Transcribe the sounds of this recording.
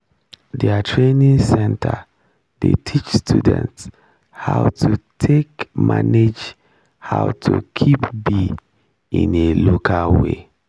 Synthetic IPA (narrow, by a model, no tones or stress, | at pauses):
dɛatʰɹenĩŋsɛ̃ntʰə̰ | detʰit͡ʃstʰudɛ̰̃nts | hawtʰutʰekma̰ned͡ʒ | haʊtʰukʰipbi | ĩnelokʰawe